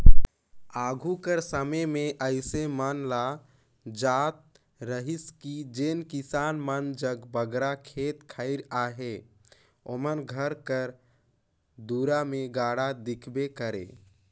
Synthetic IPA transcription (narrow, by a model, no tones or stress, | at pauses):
aːɡʱukəɾsəməmeʔəɪsemənla | d͡ʒat̪̚ | ɾəɦiskid͡ʒenkisanmənd͡ʒəɡbəɡɾakʰet̪kʰəɪɾaɦe | omənɡʱəɾkəɾ | d̪uɾameɡaːɽad̪ikʰbekəɾḛ